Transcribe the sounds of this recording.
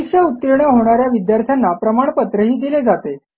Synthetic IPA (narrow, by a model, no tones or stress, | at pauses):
ikʂeut̪ːiɾɳəɦoɽ̃aɾjaʋid̪jaɾt̪ʰjanːapɾəmaɳ̃pət̪ɾəɦiːd̪iled͡zat̪e